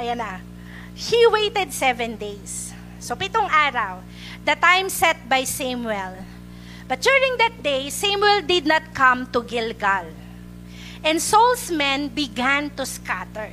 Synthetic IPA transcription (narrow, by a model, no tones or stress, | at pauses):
ʔɐjana | hiwejt̪ɛd̪̚sɛvɛ̃nd̪ejsː | opɪt̪oŋʔaːɾɐw | d̪ɐt̪ãjmsɛt̪̚bajsãmwɛl | bɐt̪̚d͡ʒuɹɪ̃ŋd̪ɐt̪̚d̪ejsamwɛld̪ɪd̪nɐt̪̚kɐ̃mt̪ʊɡɪlɡal | ʔɛ̃nd̪solsmɛ̃nbɪɡãnt̪ʊskat̪ɛɹ